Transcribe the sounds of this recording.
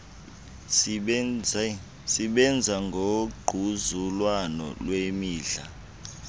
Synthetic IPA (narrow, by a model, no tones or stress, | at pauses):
siɓɛnd͡zʱaŋɡʱoɡ͡ǃʱuzulwanɔ̰lwemiːɮa̰